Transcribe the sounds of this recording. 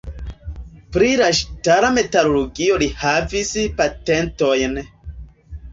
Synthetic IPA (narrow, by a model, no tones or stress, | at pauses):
pɾilaʃtaɾame̞taɾoloɡio̞lihavispatento̞jn